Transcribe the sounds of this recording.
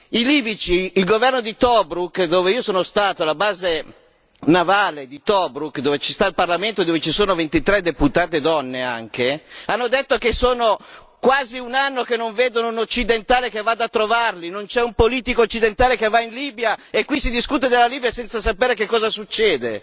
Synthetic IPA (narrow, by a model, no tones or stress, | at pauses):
iliːvit͡ʃiːlɡovɛrnod̪it̪ɔbɾukːd̪oːveiːosoːnost̪aːt̪oalabaːze | navaːled̪it̪ɔbɾukd̪oːvet͡ʃist̪ailparlament̪od̪oːvet͡ʃisoːnovent̪it̪ɾɛd̪eput̪aːt̪ed̪ɔnːea̰ŋkeanːod̪et̪ːokesoːno | kwaːziunanːokenːoɱveːd̪onounot͡ʃːid̪ent̪aːlekevad̪at̪ːɾovarlinont͡ʃɛumpoliːt̪ikoːt͡ʃːid̪ent̪aːlekevːainliːbjaekːwisid̪iskut̪̬ed̪elːaliːbjasɛnt̪sas̬apeːɾekekːɔːzasut͡ʃːɛːd̪e